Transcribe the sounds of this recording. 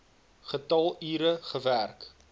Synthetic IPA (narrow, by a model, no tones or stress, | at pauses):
χətɐlˠiːɾəχəværk